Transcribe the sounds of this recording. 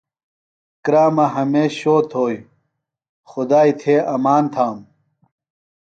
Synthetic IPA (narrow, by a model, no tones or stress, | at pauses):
kɾaːmɐɦɐmeːɕɕoːt̪ʰoːj | xʊd̪aːit̪ʰeːʔɐmaːnt̪ʰaːm